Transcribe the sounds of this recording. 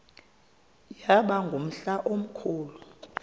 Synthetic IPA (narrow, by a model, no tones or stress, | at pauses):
jaɓaŋɡʱom̩ɬaʔom̩kʰuːlu